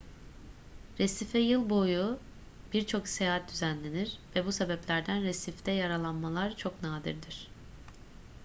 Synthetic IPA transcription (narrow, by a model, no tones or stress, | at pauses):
ɾesifɛjɯlˠbo̞ju | b̥iɾt͡ʃʰo̞ksejaːɦat̪̚d̪yzænlʲe̞niɾvɛbusebɛplʲæɾd̪ænɾesift̪ʰɛjaɾalˠanmalˠaɾt͡ʃʰo̞knaːd̪ḭɾd̪iɾ̝̥